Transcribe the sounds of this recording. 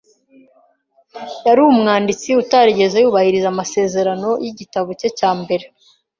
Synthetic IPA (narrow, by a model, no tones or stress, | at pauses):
jaɾuumŋaːndit͡siutaɾiɟe̞zejuːβahiɾizamase̞ːze̞ɾano̞jiɟitaβocecaːmbe̞ɾe̞